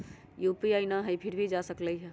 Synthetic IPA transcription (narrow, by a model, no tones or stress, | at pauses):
jupiaɪnaɦəjpʰiɾbʱid͡ʒasəkləjɦɛ